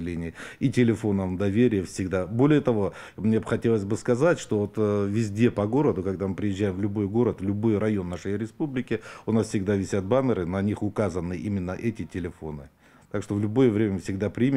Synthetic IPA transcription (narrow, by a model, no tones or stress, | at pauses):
lʲenʲɪjəitʲɪlʲɪfo̞nəmd̪ɐvʲeɾʲɪjəfsʲɪɡd̪abo̞lʲɪjət̪ɐvo̞ | mnʲexɐtʲe̞lˠəsʲbɨskɐzatʲʂt̪o̞vo̞t̪vʲɪzʲdʲe̞pɐɡo̞ɾəd̪ʊkɐɡd̪amɨpɾʲɪjɪʑːæjɪmvlʲʊbo̞jɡo̞ɾət̪vlʲʊbo̞jrɐjo̞nːaʂəjɾʲɪspublʲɪkʲɪʊnasfsʲɪɡd̪avʲɪsʲat̪̚bamʲɪɾɨnɐnʲixʊkazənːɨʔimʲɪnːəʔɛtʲɪtʲɪlʲɪfo̞nɨ | t̪akʂt̪o̞vlʲʊbo̞jəvɾʲemʲəfsʲɪɡd̪apɾʲimʲ